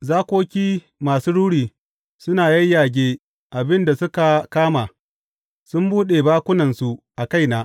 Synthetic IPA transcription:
zaː˦kʷoː˦kʲiː˦ | maː˨suː˦ɽuː˦ɽiː˨ | sʊ˦naː˨jɐ˦jjaː˨ɡʲeː˦ | ʔa˨bɪ˦nda˨sʊ˦ka˨kaː˦maː˨ | sʊ˦mbuː˦ɗeː˨baː˦kʷʊ˦nɐ˨nsu˦ʔa˨ka˦˨jnaː˨

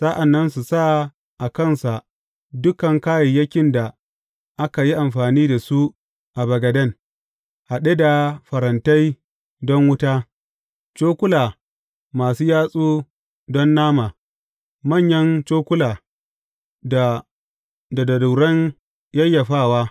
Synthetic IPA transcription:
sa˦ʔa˨nːɐ˦ns̬u˨sa˦ | ʔa˨kɐ˦˨nsa˨ʔ | dʊ˦kɐ˨ŋkaː˦jɛ˨jɐ˦kʲɪ˨nda˨ | ʔa˦ka˨ji˦ʔa˨mɸaː˨niː˦da˨su˦ | ʔa˨bɐ˨ɡɐ˨dɐ˦˨n | ha˨ɗe˦da˨ɸɐ˨ɾɐ˨nta˦j | dɔ˦ŋwʊ˦ta˦ | t͡ʃoː˦kʷʊ˦laː˨ | maː˨suː˦jaː˦sʼuː˦ | dɔ˦nːaː˦maː˨ | mɐ˦˨ɲjɐ˦nt͡ʃoː˦kʷʊ˦laː˨ | da˨dɐ˨du˨ɽɐ˦ɲ | jɐ˦jːa˨ɸaː˦˨waː˦

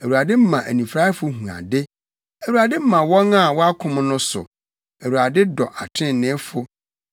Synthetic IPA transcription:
æ˨wu˨ɾa˨dɪ˦m̩˦mã˨ʔæ̰˨nĩ˨fɾa˦fʊ˦ɦũ˨ã̰˨dɪ˦ | æ˨wu˨ɾa˨dɪ˦m̩˦mã˨wɔ̃˦na˦˨wɔ˦a˦kʰʊ̃˦m̃˦nʊ̃˦sʊ̰˨ | æ˨wu˨ɾa˨dɪ˦dɔ˨ʔa˨tʰɪ̃˦˨nɪ̃˦fʊ˦

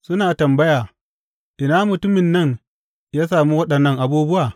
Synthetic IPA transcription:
sʊ˦naː˨tɐ˨mbɐ˦jaː˨ | ʔɪ˨naː˦mʊ˨tʊ˦mɪ˨nːɐ˦˨ŋ | jaː˦saː˨mu˦wɐ˦ɗɐ˨nːɐ˦ŋʔa˨buː˦bʊ˦waː˨

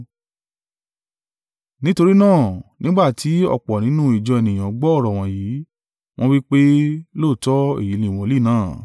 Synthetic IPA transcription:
nĩ˦to˧ɾi˦nãː˦˨nĩ˦ɡ͡ba˦˨tʰi˨˦ɔ̰˧˨k͡pɔ˨nĩ˨˦nũ˦i˦˨d͡ʒɔ˧ɛ˨nĩ˨j̃ã˨˦ɡ͡bɔ˦ɔ˦˨ɾɔ˨w̃ɔ̃˨jiː˨˦ | w̃ɔ̃˦wi˦k͡pe˦lo˦˨tɔ˦e˦˨ji˨˦lĩ˨w̃ɔ̃˨˦li˦˨nãː˦˨

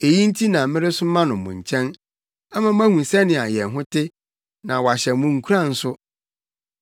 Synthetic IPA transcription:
e˨jĩ˦n̩˦tʰi˦nã˨mɪ̃˦ɾɪ˦sʊ˦mã˦nʊ̃˨mʊ̰̃˨ɲ̩˨t͡ɕʰɛ̃˦n | a˦mã˨m̩˦æ̃˦hũ˨sɛ˦nɪ̃˨a˨jɛ˨n˨ɦʊ̃˦tʰɪ˦ | nã˨wɔ˨a˨ɕɛ˨˦mũ˨ŋ̩˨kʰu˦ɾã˦n̩˦sʊ˦

